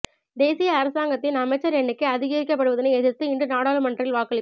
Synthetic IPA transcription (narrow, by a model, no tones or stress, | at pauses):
d̪eːsɪjɐːɾɐsaːŋɡɐt̪ːɪnɐmɐɪt͡ʃːɐɾɛɳːɪkːɯɐðɪɣiːɾɪkːɐp̬ːɐɽɯʋɐðɪnɐɪɛðɪɾt̪ːɯɪɳɖɯnaːɽaːlɯmɐɳdrɪlʋaːkɐɭɪ